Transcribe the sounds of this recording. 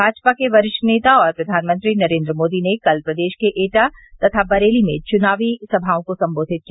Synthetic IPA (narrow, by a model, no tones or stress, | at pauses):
bʱaːd͡ʒpakeʋɐɾɪʃneːt̪aɔːɾpɾɐd̪ʱaːnmə̃nt̪ɾinɐɾẽːnd̪ɾəmoːd̪inekɐlpɾɐd̪eːʃkeʔeːʈat̪ɐt̪ʰabɐɾeːlimẽt͡ʃʊnaːʋisɐbʱaːõkosɐ̃mboːd̪ʱɪt̪̚kia